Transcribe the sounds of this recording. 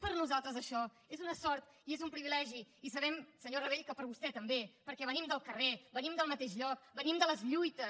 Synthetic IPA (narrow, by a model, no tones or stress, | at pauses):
pəɾnuzalˠt̪ɾəzəʃɔ | ezunəsɔɾt̪ | iezumpɾiβilɛʒiːsəβ̞ɛmsəɲorəβ̞eʎkəpəɾβust̪ɛt̪əmbepəɾkɛβənimd̪əlˠkərebənimd̪əlˠmət̪eʃʎɔk̚bənimd̪ələzʎujt̪əs